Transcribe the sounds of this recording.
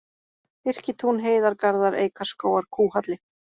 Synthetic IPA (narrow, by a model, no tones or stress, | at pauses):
ɪr̥cɪt̪ʰunɦeːjðaɾkaɾðaɾḛːjkaɾ̥skoːwaɾ̥kʰuːhat̪lɪ